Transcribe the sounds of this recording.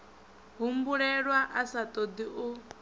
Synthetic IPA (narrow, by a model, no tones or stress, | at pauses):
ɦumbuɺɛɺwaʔasat̪ʼod̪iʔu